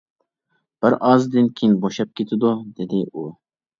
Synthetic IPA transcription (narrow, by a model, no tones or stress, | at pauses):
b̥ɐɾɑːzd̪inkʰinboɕɐp̚kit̪ud̪od̪ed̪eʔoː